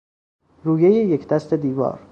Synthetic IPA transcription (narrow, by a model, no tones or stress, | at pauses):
ɾuːjejejecʰd̪æst̪ʰe̞d̪iːvɒ̰ːɾ